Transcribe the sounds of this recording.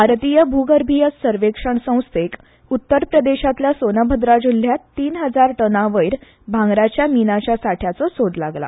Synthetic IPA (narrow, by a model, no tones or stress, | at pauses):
bʱaɾt̪ijəbʱuɡəɾbʱijət͡ssəɾʋekʂəɳsə̃w̃st̪ʰek | ut̪ːəɾpɾəd̪eɕat̪ljasonəbʱəd̪ɾad͡ʑul̤ːjat̪ːiːnɦəd͡zaɾʈənaʋəjiɾ | bʱãŋɡɾat͡ɕjaminat͡ɕasaʈʰjat͡sɔsoɽlaɡla̰